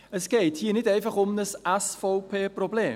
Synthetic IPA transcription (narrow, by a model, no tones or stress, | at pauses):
əsɡ̥ejthiːənɪdẽːnfaχʊmnəsasfɔwpʰeːprɔbleː